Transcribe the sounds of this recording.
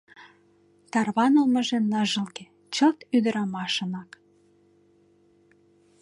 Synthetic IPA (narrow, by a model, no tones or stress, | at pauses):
t̪ɑrβɑnəlmə̆ʒenəʒə̆lke | t͡ɕət̪yd̪əɾɑmɑʃənɑk